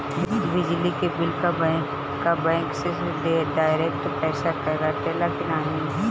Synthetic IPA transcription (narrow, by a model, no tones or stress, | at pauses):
bɪd͡ʒlikebɪlkabɛ̃ | kabɛ̃ːŋkses | ɖaːɪɾeːk̚ʈpɛːsakɐɾaʈelaːkɪnaːnĩ